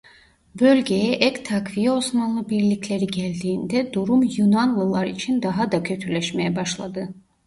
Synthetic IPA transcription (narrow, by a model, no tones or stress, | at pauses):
bø̞lʲɟe̞jɛʔɛct̪ʰakvijo̞smanlˠɯbiɾlʲicʰlʲe̞ɾiɟælʲd̪iːnd̪ɛd̪uɾumjunanlˠɯlˠaɾit͡ʃʰind̪aɦad̪acʰø̞t̪ʰylʲɛʃme̞jɛbaʃlˠad̪ɯ